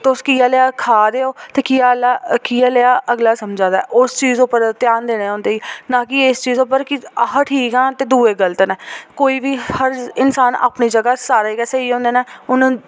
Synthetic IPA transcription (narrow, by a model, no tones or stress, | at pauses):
t̪eʊskiːaːleaːkʰaːd̪eːoːt̪eːkiːaːlaːkiːaːleaːʔəɡlaːsəmd͡ʒãːd̪a̰ːʔʊst͡ʃiːzʊpːəɾt̪ɪjaːnd̪eːɽ̃eːõːnd̪eːiːnãːkɪɪst͡ʃiːzʊpəɾkɪɦəʈʰiːkãːt̪eːd̪uːeːɡəlt̪nɛːkoːiːbiːhəɾɪnsaːna̰ːpniːd͡ʒəɡaːsaːɾeːkɛːseiːõːnd̪eːneːʊn